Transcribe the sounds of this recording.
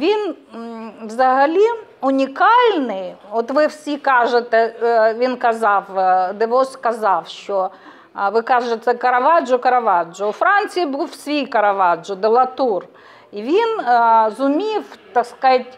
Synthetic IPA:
ʋʲin | ʋzɐɦɐlʲiʊnʲikɑlʲnɪjɔt̪ʋɪwsʲikɑʒet̪ɛʋʲinkɐzɑwd̪ɪʋɔskɐzɑwʃt͡ʃɔ | ʋɪkɑʒet̪ɛkɐɾɐʋɑd͡ʒʊkɐɾɐʋɑd͡ʒʊʊfɾɑnʲt͡sʲijibuwsʲʋʲijkɐɾɐʋɑd͡ʒʊd̪elˠɐt̪ur | iʋʲinzʊmʲift̪ɐskɑtʲ

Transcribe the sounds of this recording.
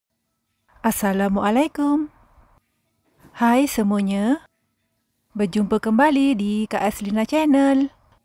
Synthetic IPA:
ʔasalamuʔalajkum | hajsəmuaɲa | bəd͡ʒumpəkəmbalidikaʔaslinat͡ʃɛnəl

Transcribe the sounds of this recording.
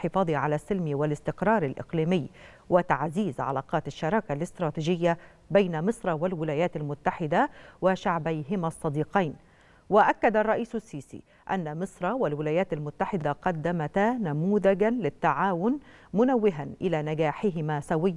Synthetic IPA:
ħɪfɑːðˤiʕalasːɪlmwɪlɪst̪ɪqɾˤɑːɾˤɪlʔɪ̰qliːmɪjː | wɪt̪aʕziːzʕa̰la̰ːqɑːt̪aʃːɑɾˤɑːkalɪst̪ɾˤɑːt̪iːd͡ʒɪjːa | bajnamɨsˤɾˤɑwɪlwɪlaːjaːt̪almʊt̪ːaħɪd̪awaʃaʕbajɦɪmaʔsˤːɑd̪iːqɑjn | waʔakːad̪arˤːɑʔiːsʊsːiːsḭ | ʔa̰nːamɨsˤɾˤɑwɪlwɪlaːjaːt̪almʊt̪ːaħɪd̪aqɑd̪ːamat̪namuːðaɡanlɪt̪ːaʕaːwʊnmʊnawːɪɦanʔɪlaːnaɡaːħɪɦɪmasawɪjː

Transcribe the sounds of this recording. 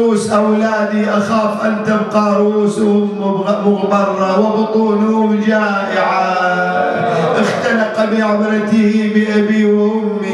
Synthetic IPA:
uːsʔawlaːd̪iʔaxaːfʔant̪ɪbqɑɾˤʊʔuːshʊmmʊɣb̪ɑrˤːɑwɪbʊt̪ˤuːnʊhʊmd͡ʒaːʔɪʕa | ʔɪxt̪alɑqbiʕamɾɑt̪ɪhibɪʔabiwʔʊmːi

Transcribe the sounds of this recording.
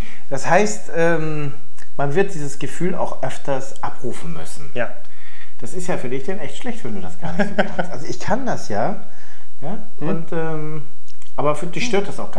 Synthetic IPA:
d̥ashaɪstʔɛːm | manvɪɐt̚d̥iːzəsɡ̥əfyːla̰ʊxʔœftʰɐsʔapʁuːfn̩mʏ̰sn̩ja | d̥asɪstjaːfyːɐdɪçd̥ɛnʔɛçtʃlɛçtv̥ɛnduːdasɡ̥a̰ːɐnɪçtz̥oː | stʔalzoɪçkʰandasjaː | jaː | ʔʊntʔɛːm | ʔʔaːbɐfyd̥ɪçʃtøːɐt̚d̥asaʊxɡ̥a

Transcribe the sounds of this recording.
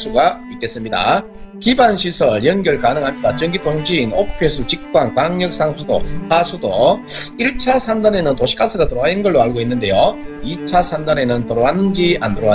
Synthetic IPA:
sʰuɡaik͈e̞s͈ɯmɲida̰ | kibanɕʰisʰʌɭjʌnɡjʌɭkanɯŋɦamɲidat͡ɕʌŋɡitoŋɕʰiːnok̚ʰpʰe̞sʰut͡ɕik̚k͈wankwaŋɲʌk̚s͈aŋsʰudo̰hasʰudoiɭt͡ɕʰasʰandane̞nɯntoɕʰi̥k͈asʰɯɾatoɾoainɡʌɭːoaɭɡoinːɯnde̞joit͡ɕʰasʰandane̞nɯntʌɾoanɯnd͡ʑiandɯɾoa

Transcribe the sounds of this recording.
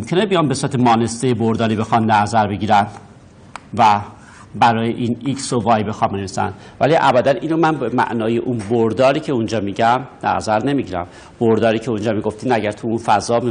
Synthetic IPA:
omkʰe̞nebijɒːmbesuɾæt̪ʰemɒːne̞st̪ejeboɾd̪ɒːɾiːbe̞xɒnːnæzæɾbe̞ɟiːɾæn | væ | bæɾɒːjeʔiːniksovɒːjbe̞xɒnbeneisæ̰n | væ̰liʔæbæd̪ænʔiːnomænbemæ̰ʔnɒːjeʔunboɾd̪ɒːɾiːcʰe̞und͡ʒɒːmiːɟæmnæ̰zæɾne̞miɟiːɾæ̰m | b̥oɾd̪ɒːɾiːcʰe̞und͡ʒɒːmiɡo̞ft̪iːnæɟæɾt̪ʰuunfæzɒːm

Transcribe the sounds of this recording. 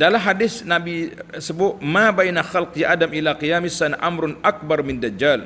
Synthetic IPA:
dalamɦadɪsnabisəbʊʔmabajnaxalqjaʔadamʔilaqijamɪsanʔa̰mɾʊnʔak̚barmɪndad͡ʒːal

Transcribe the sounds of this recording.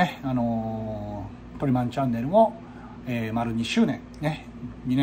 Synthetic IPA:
eano̞ | t̪o̞ɾʲimãɲt͡ɕãnːe̞ɾɯ̟mo | eːmaɾɯ̟ɲ̟iɕɨːnẽ̞ŋne | ɲine

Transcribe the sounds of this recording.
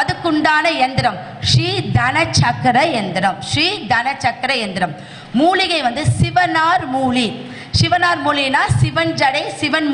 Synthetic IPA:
ɐðɯkːʊɳɖaːnɐɛnd̪ɪɾɐm | ʂɾiːd̪ɐnɐt͡ʃɐkːɾɐɛnd̪ɪɾɐmʂɾiːd̪ɐnɐt͡ʃːɐkːɐɾɐɛnd̪ɪɾɐm | muːlɪɣɐɪʋɐnd̪ɯsɪʋɐnaːɾmuːɭi | sɪʋɐnaːɾmuːlinaːsɪʋɐnd͡ʒɐɽɐɪsɪʋɐn

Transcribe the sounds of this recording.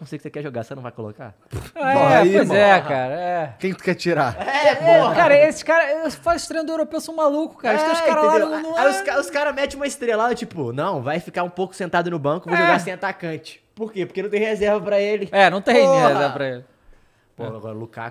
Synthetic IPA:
kõsiɡksekɛʒoɡaɾsenɐ̃w̃vajko̰lo̰ka̰pɐ̃iojzɛaɾɐɛkẽj̃t̪u̥kɛt͡ʃiɾaɛɛfɔkkaɾɐesɪ̥ʃkaɾɐsfazɪʃt̪ɾẽj̃d̪ʊewɾopewsɐ̃w̃malukʊ̥kaɾʃd̪oskɾɐlãñajʊskaɾʊskaɾɐmɛt͡ʃɪũmɐɪst̪ɾelad̪ɐt͡ʃipʊnɐ̃w̃vajfikaũpowkʊ̥sẽnt̪ad̪ʊnʊbɐ̃kʊɪvowʒoɡaɾsẽj̃at̪akɐ̃t͡ʃɪ̥poɾkepoɾkenɐ̃w̃t̪ẽhezɛɾvɐpɾɐelɪɛnɐ̃w̃t̪ẽj̃ezzɛɾvɐpɾɐelɪ | poluka̰

